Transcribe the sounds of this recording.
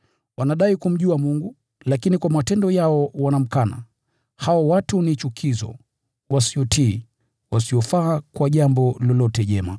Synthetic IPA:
wanaɗaikum̩ʄuamuŋɡu | lakinikwamatɛndɔjaɔwanam̩kana̰ | hawawatunit͡ʃukʰizɔ̰ | wasiɔtiː | wasiɔfaːkwaʄambɔlɔlɔtɛʄɛma

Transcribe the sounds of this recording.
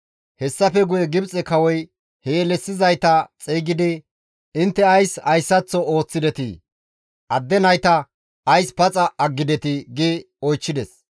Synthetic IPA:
hɛsːɐfɛɡʊjɛɡɪbt͡sʼɛkɐwɔj | heːlɛsːɪzɐjt̪ɐt͡sʼiːɡɪd̪ɪ | ɪnt̪ːɛɐjsɐjsːɐt͡sːɔo̞ːt͡sːɪd̪ɛt̪ɪ̰ | ʔɐd̪ːɛnɐjt̪ɐ | ʔɐjspɐt͡sʼɐʔɐɡːɪd̪ɛt̪ɪɡɪ | ɔjt͡ʃːɪd̪ɛs

